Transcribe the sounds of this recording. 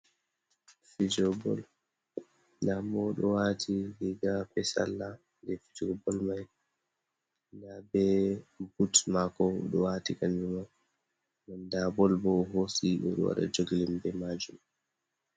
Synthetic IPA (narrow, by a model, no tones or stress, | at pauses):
fid͡ʒɔbɔ̰l | namɔɗɔwatʰiliɡapɛsa̰lːa | ndɛfid͡ʒɔɔbɔlmaj | ndabɛbutmakɔɗɔwatikand͡ʒuma | nandabɔlbɔɦosiɗɔɗɔ̰wa̰ɗa̰d͡ʒoɡilimbɛmad͡ʒum